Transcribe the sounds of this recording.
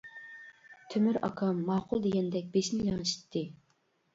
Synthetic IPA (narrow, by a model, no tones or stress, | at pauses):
t̪ʰømyɾɑ̰kʰɑmːɑːqʰʊlˠd̪eɡʲɛnd̪ɛk̚ʲbeʃmɪjɑŋɨʃi̥t̪ʰːɨ